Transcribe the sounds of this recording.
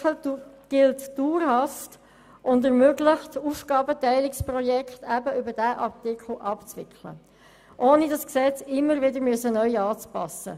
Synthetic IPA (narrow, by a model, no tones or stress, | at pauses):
ɡ̥ɪltd̥uːɾhɑst | ʔʊndəɾmøɡlɪχtuːfɡɑːbətæɪlɪksprɔjɛkχtæbəʏbədæːʔɑrtɪkχl̩ʔɑpt͡sʋɪ̰kχlə̰ | ʔoːnidɑsksɛt͡sɪmːəɾvɪdəmyəsənœʏɑːt͡spɑ̰sə̰